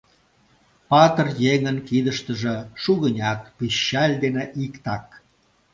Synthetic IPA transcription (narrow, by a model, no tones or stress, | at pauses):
pɑt̪ərjeŋənkid̪əʃt̪əʒeʃuɣənʲɑt̪̚piɕːɑlʲd̪eneʔikt̪ɑk̚